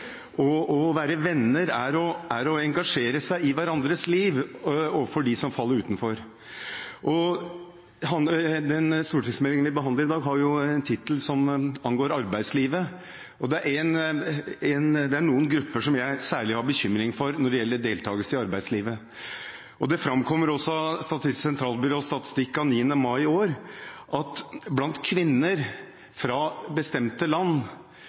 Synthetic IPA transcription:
ʔɔɔʋæːɾəʋɛnːəɾæɾɔæɾɔɛŋɡɑʂeːɾəsæɪɪʋæɾɑnd̪ɾəsliːʋoːʋəfɔɖɪsɔmfɑlːəɾʉːt̪nfɔɾ | ʔɔ | ɦɑd̪ɛnst̪uːʈʰɪksmɛlɪŋənʋɪbəɦɑnd̪əɾɪd̪ɑːɡɦɑɾjʊɛnt̪ʰɪt̪əlsɔmɑnɡoːɾɑɾbæɪd̪sliːʋə | ɔd̪ɛæɾæn | ɛnd̪ɛæɳuːənɡɾʉpːəʂɔmjæɪsæːɭɪhɑbəçʏmɾɪŋfɔɾnɔɖɛjɛlːəɖeːlt̪ʰɑːɡəlsəɪɑɾbæɪd̪sliːʋə | ʔɔd̪ɛfɾɑmkʰɔmːəɾɔsːɔst̪ɑt̪ɪsɛnt̪ʰɾɑːlbɪɾoːst̪ɑt̪ɪ̥st̪ɪkːɑniːənəmɑɪoːɾʔɑt̪blɑnt̪kʰʋɪnːəɾ | fɾɑbəst̪ɛmt̪əlɑnː

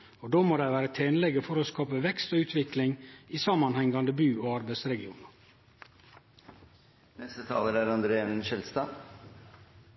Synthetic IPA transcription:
od̪oːmoːd̪æɪʋæːɾət̪ʰeːnlɛɡəfɔɾoːskɑːpəʋɛkst̪oːʉːt̪ʰʋɪklɪŋiːsɑmːɑnhɛŋɡɑnd̪əbʉːoːɑɾbæɪsɾɛɡɪṵːnɑ | nɛst̪ət̪ʰɑ̰ːləɾæɾɑnd̪ɾeːɛnnʃɛlst̪ɑː

